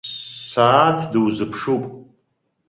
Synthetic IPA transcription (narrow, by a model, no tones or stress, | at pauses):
sʷaːtʰdɨwzɨpʰʂupʼ